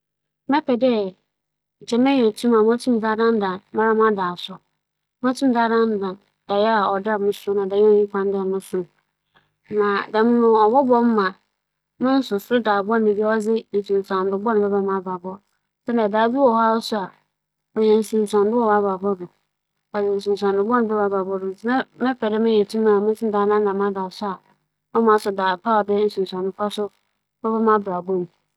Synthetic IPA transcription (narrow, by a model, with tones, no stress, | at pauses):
mɛ˦pʰɛ˨dɛ˦˨ | t͡ɕʰɛ˦mɛ̃˦ɲɛ˨tʰũ˦ma˨mʊ̃˦tʰĩ˦m˨daː˦dã˦n˦dã˨nma˦ɾa˦m˦a˦daː˨sʊ˦ | mʊ̃˦tʰũ˦m˨˦daː˦dã˦n˦dã˨n | d̥a˨jɛ˦a˨ɔ˨da˦˨mʊ̃˦sʊ˦nã˨da˨jɛ˦ɔ˦ɲĩ˦kʰʷã˦n˦da˨mʊ̃˦sʊ̃˨˦˨ | mã˨da˨mʊ̃˦nʊ̃˨ɔ˨bɔ˦bɔ˦m˦mã˨˦ | mɛ̃˦n̩˦sʊ˨sʊ˦ɾʊ˦daː˨bʊ˦a˦˨nɪ̃˨bi˦ɔ˦d͡zɪ˦n̩˨sũ˨n˨sã˨n˨dʊ˨bɔ˦nʊ̃˨bɛ˦bɛ˦mã˨˦ba˨bɔ˦ | sɛ˦nã˨daː˨˦˨du˦wɔ˨ha˦wsʊ˦a˨ | ɔ˨jɛ˨n̩˨sũ˨n˨sã˨ndʊ˦wɔ˦wa˦ba˨bɔ˦dʊ˨ | ɔ˨jɛ˨n̩˨s̬ũ˨n˨s̬ã˨n˨dʊ̃˨bɔ˦nʊ̃˨bɛ˦˨a˦ba˨bɔ˦dʊ˨n̩˨tʰɪ˦nã˦mɪ̃˦fɛ˨dɪ˦mɪ̃˦ɲɛ̃˨tʰũ˦mã˨mɪ̃˦n˦sʰɪ̃˦daː˨˦nã˦nã˨mã˦da˨sʊ˦a˨ | ɔ˦mã˨˦sʊ˨daː˨pʰa˦ɔ˨dɪ˦n̩˨sũ˨n˨sã˨nʊ̃˦pʰa˦sʊ˦ | bɛ˦bɛ˦mã˦bɾa˨bɔ˦nũ˨